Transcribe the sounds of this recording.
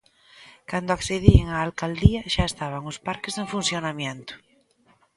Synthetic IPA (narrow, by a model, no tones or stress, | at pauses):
kand̪oakθeðieŋaːlkald̪iaʃaest̪aβ̞aŋospaɾkezeɱfunθjonamjent̪ʊ̥